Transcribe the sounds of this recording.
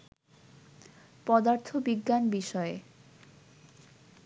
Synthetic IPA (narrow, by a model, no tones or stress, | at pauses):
pɔd̪aɾt̪ʰobiɡːanbiʃɔe